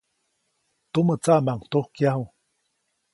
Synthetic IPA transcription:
t̪umət͡saʔmaŋt̪ohkjaɦu

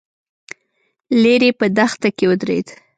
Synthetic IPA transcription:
leɾepəd̪axt̪akewəd̪ɾḛd̪

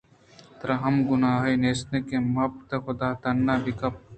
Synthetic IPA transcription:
t̪ɾɐɦɐmɡʊnaːɦeneːsnekemɐɐbt̪exʊd̪aːt̪ɐnːaːbikɐp̚

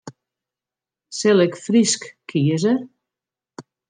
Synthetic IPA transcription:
selekfɾiskːʰiezeɾ

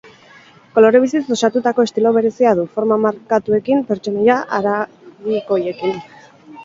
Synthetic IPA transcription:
ko̞lo̞ɾe̞β̞isiso̞sat̪ut̪ako̞e̞st̪ilo̞βe̞ɾe̞siað̞ufo̞ɾmamaɾkat̪ue̞kimpe̞ɾt͡ʃo̞nojaʔaɾa | ɣiko̞je̞kin

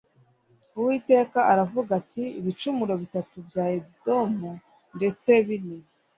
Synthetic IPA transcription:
uwiːte̞ːkaʔaɾavuɡatiːβit͡ʃumuɾo̞βitatubjaːedo̞mu | nde̞t͡se̞βini

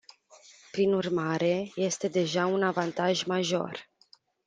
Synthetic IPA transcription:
pɾinurmaɾe̞je̞st̪e̞d̪e̞ʒaunavant̪aʒmaʒo̞̰r

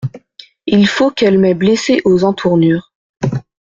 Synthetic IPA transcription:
ilfokɛlmɛbleseʔozɑ̃t̪ʰuʁnyːʁ

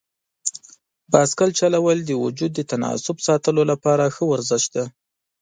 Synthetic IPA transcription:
bɑskalt͡ʃalawəld̪əwʊd͡ʒud̪ːət̪anɑ̰sʊbsɑt̪əlolapɑɾaxəwaɾzɪʃt̪d̪a

